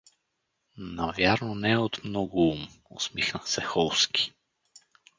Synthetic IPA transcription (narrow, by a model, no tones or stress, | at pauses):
navjaɾnonɛot̪mnɔɡʊumo̰smixnəsɛxɔlˠskʲʰi̥